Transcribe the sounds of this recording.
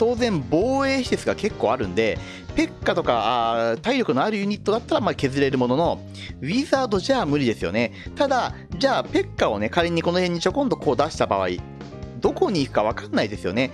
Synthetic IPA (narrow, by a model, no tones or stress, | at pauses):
t̪o̞ːzẽ̞mbo̞ːe̞ːçi̥sesɨɡake̞kːo̞̰ːaɾɯ̟̃nd̪e̞ | pe̞kːat̪o̞kaat̪aiɾʲjo̞kɯ̟no̞aɾɯ̟jɯ̟ɲ̟it̪ːo̞d̪at̪ːaɾamake̞zɨɾe̞ɾɯ̟mo̞no̞no̞ | βʲizaːd̪o̞ʑaːmɯ̟ɾʲid̪e̞sɨjo̞̰ne̞t̪ad̪a | d͡ʑaːpe̞kːao̞ne̞kaɾʲeɲ̟ːiko̞no̞hẽ̞ɲ̟ːit͡ɕo̞kõ̞nd̪o̞ko̞ːd̪aɕi̥t̪aba̰β̞a̰ḭ | d̪o̞ko̞ɲ̟iːkɯ̟̥kaβ̞akanːaid̪e̞sɨjo̞̰ne̞